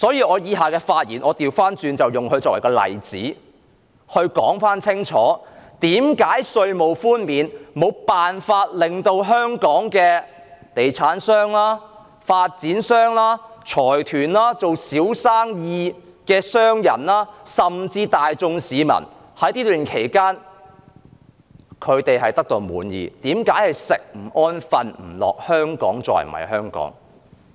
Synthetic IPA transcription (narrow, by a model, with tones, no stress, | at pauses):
sɔː˨˥jiː˨˧ʔɔː˨˧jiː˨˧ɦaː˨kɛː˧faː˧t̚jiː˨˩nʔɔː˨˧t̪iː˨wfaː˥nt͡syː˨˧nt͡sɐ˨wjʊ˨˩ŋhɵ˧ɥt͡sɔː˧kwɐ̰˨˩kɔː˧lɐ̰˨˩jt͡sḭː˨˥ | hɵ˧ɥkɔ̰ː˨˥ŋfaː˥nt͡sʰɪ˥ŋt͡ʃʰɔ̰ː˨˥t̪iː˨˥mkaː˨˥jsɵ˧ɥmo˨wfuː˥nmiː˨nmo˨˧wpaː˨nfaː˧t̚lɪ˨ŋt̪o˧wɦœː˥ŋkɔː˨˥ŋkɛː˧ | t̪e˨jt͡sʰaː˨˥nsœː˥ŋlaː˥ | faː˧t̚t͡siː˨˥nsœː˥ŋlaː˥t͡ʃʰɔː˨˩jt̪ʰyː˨˩nlaː˥t͡so˨wsiː˨˥wsaː˥ŋjiː˧ | kɛː˧sœː˥ŋjɐ˨˩nlaː˥sɐ˨mt͡siː˧t̪aː˨jt͡sʊ˧ŋsiː˨˧mɐ̰˨˩n | hɐ˨˥jt̪iː˥lyː˨nkʰe˨˩jkaː˥n | kʰɵ˨˧ɥt̪e˨jɦɐ˨jt̪ɐ˥k̚t̪o˧wmṵː˨˥njḭː˨˧t̪iː˨˥mkaː˨˥jhɐ˨jsɪ˨k̚m̩˨˩ɔː˥nfɐ˨nm̩˨˩lɔ̰ː˨k̚hœː˥ŋkɔ̰ː˨˥ŋt͡sɔ̰ː˨˧jm̰˨ɐ̰˨˩jɦœː˥ŋkɔ̰ː˨˥ŋ